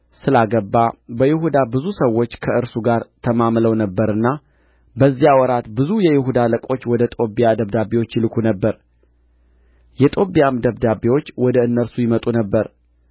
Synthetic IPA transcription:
sɨlaɡəbːabəjɪɦud̪abɨzusəwːo̞t͡ʃːkʰəʔɨɾsuɡaɾt̪ʰəmamləwnəbːəɾɨnːa | bəzːijawɔɾat̪bɨzujɛjɪɦud̪aləkʼo̞t͡ʃːwɔd̪ət̪ʼobijad̪əβd̪abewo̞t͡ʃːɪlɨkʷʰunəbːəɾ | jɛt̪ʼo̞bijamd̪əβd̪abewo̞t͡ʃːwɔd̪əɨnːəɾsujɪmət̪ʼunəbːəɾ

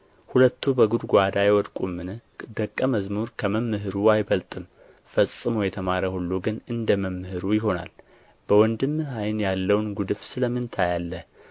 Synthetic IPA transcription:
hulət̪ʰːubəɡud̪ɡʷad̪ajwɔd̪kʼumːɨnɨd̪əkʼːəməzmuɾkʰəməmːɨɦɨɾuajbəlt̪ʼɨm | fəsʼːɨmojɛt̪ʰəmaɾəhulːuɡɨnɨnd̪əməmːɨhɨɾujɪɦo̞na̰l | b̥əwɔnd̪ɨmːɨhajnjalːəwnɡud̪ɨfsɨləmːɨnt̪ʰajalːəh

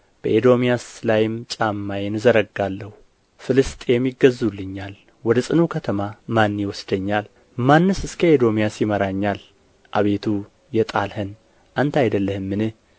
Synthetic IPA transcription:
b̥əʔed̪o̞mijaslajɪmt͡ʃʼamːajenɨzəɾəɡalːəhu | fɨlɨst̪ʼejɛmːiɡəzːulːɨɲːal | wɔd̪əsʼɨnukʰət̪ʰəmamanːjɪwɔsd̪əɲːal | manːɨsɨskʰəed̪o̞mijasjɪməɾaɲːal | ʔaβe̞t̪ʰu | jɛt̪ʼalhɨn | ʔant̪ʰajd̪əlːəhɨmːɨnɨh

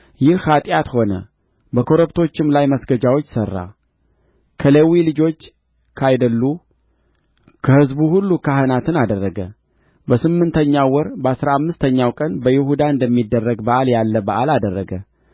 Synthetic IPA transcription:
jɪhhat̪ʼjat̪ho̞nə̰ | bəkʰo̞ɾəpt̪ʰo̞t͡ʃːɪmlajməsɡəd͡ʒawot͡ʃːsərːa̰ | kʰəlewilɨd͡ʒo̞t͡ʃː | kʰajd̪əlːu | kʰəhɨzbuhulːukʰaɦənat̪ɨnad̪ərːəɡə̰ | bəsɨmːɨnt̪ʰəɲːawwɔɾbəasɾaamːɨst̪ʰəɲːawkʼənbəjɪhud̪aɨnd̪əmːid̪ːərːəɡbəʔaljalːəbəʔalad̪ərːəɡə

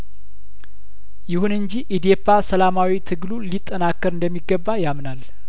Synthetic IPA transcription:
jɪhunɨɲd͡ʒiʔid̪ijepʰʼːasəlamawit̪ʰɨɡlulit̪ʼːənakːəɾɨnd̪əmːiɡːəbːajamnal

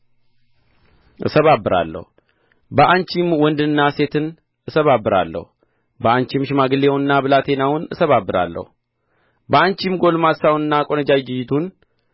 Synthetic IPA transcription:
ʔɨ̰səβabːɨɾa̰lːə̰hu | bəʔant͡ʃimwɔnd̪ɨnːase̞t̪ʰɨn | ʔɨsəβabːɨɾa̰lːə̰hu | bəant͡ʃimʃɪmaɡɨlewnːabɨlat̪ʰe̞nawʊnɨsəβabːɨɾa̰lːə̰hu | bəant͡ʃimɡo̞lmasawunɨnːakʼonəd͡ʒawd͡ʒɪjɪt̪ʰun

